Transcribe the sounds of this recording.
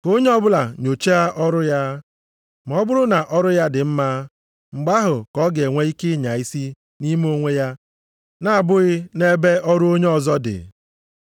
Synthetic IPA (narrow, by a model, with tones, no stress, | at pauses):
ko˦ɲe˦ɔ˦bʊ˦la˨ɲo˨t͡ʃe˦a˦ʔɔ˦ɾʊ˦ja˦ | m˨ɔ˦bʊ˦ɾʊ˦na˨ʔɔ˦ɾʊ˦ja˦dɪ˨m̩˦ma˦ | ŋ͡m̩˨ɡ͡ba˦ɦʊ˨kɔ˦ɡe˨ŋʷe˦i˦kɪ˦ɲa˨i˦si˦ | ni˦m˦o˦ŋʷe˦ja˦ | na˦a˨bʊ˦ɣɪ˦ne˦be˦ɔ˦ɾʊ˦o˦ɲe˦ɔ˨zɔ˦dɪ̰˨